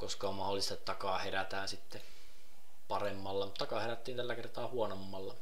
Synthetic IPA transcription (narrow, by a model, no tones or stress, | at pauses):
koskɑommɑholːˑist̪ɑt̪t̪ɑkɑːheræt̪æːnsit̪ːe | pɑremːɑlːɑmut̪ːɑkɑːeɾæt̪ːiːnt̪ælːækert̪ɑːhuonomːɑlːɑ